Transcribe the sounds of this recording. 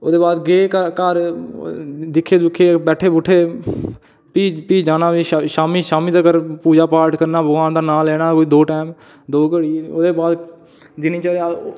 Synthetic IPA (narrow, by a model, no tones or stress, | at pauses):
o̰ːd̪eːbaːd̪ɡeːkkaɾ | d̪ɪkʰːeːd̪ʊkʰːeːbɛːʈʰeːbʊʈʰeː | piːpiːd͡ʒaːnaːʋiːʃaːmiːʃaːmiːd̪aːkəɾpuːd͡ʒaːpaːɾʈkəɾnaːbəɡwaːnd̪aːnaːlɛːɽaːkoːiːd̪oːʈɛːm | d̪oːkəɽiːoːd̪eːbaːd̪ | d͡ʒɪniːt͡ʃəːɾea